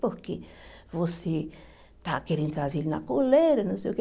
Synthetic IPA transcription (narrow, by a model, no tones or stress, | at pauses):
poɾki | vosi | t̪akeɾint̪ɾazilnakoleɾanõsok